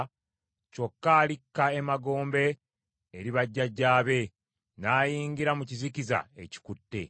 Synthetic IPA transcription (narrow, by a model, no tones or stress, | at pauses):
co̞kːaːlikːae̞maɡo̞ːmbe̞ː | ɾiβaɟːaɟːaːβe̞ | naːjiːŋɡiɾamuciziciza̰e̞̰ci̥kutːe̞̰